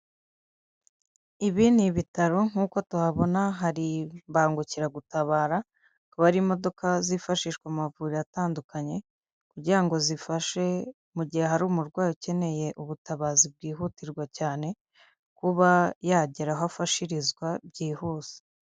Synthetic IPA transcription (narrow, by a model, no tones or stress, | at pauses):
iβiːniβitaɾo̞ŋ̥uːko̞tuaβo̞naɦaɾimbaːŋɡuciɾaɡutaβaːɾa | kuβaɾimo̞do̞kazifaʃiːʃkwamavuːɾiataːndukaɲe̞ | kuɾɟiɾaŋɡo̞zifaʃe̞ | muɟihe̞ɦaɾuːmuɾɡwaːjuce̞ne̞je̞ʔuβutaβazib̚ɡiːɦutiɾɡwacaːne̞ | kuβajaɟeɾaɦoafaʃiɾizɡwabɟiːhuːse̥